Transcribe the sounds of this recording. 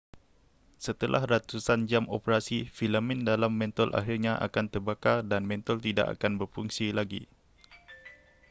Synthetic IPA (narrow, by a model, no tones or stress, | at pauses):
sət̪əlʔa̰hrat̪usand͡ʒamo̰pəɾasifilamɪ̃ndalamːɛ̃nt̪ɔlʔa̰ɦirɲaʔa̰kant̪ərbakadanmɛ̃nt̪ɔlt̪ida̰ʔa̰kanbərpuŋsilaɡḭ